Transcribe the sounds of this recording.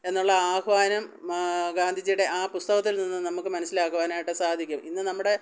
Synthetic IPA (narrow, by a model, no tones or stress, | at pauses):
e̞nːuɭːɐaːɦʋaːnɐmɡaːnd̪ʱid͡ʑijuɽe̞ʔaːpust̪ɐɣɐt̪ːilninːɨnɐmukːɨmɐnɐsːilaːkːuʋaːnɐaːjiʈːɨsaːd̪ʱikʲːuminːɨnɐmːuɽe̞